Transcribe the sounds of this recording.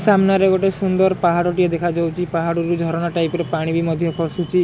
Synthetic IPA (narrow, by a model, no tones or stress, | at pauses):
samnaɾeɡɔʈesund̪ɔɾpaɦaɽoʈied̪ekʰad͡ʒawt͡ʃʰipaɦaɽuɾud͡ʒʱɔɾɔɽ̃aʈajpɾepaɽ̃ibimɔd̪ʱjɔkʰɔsut͡ʃʰi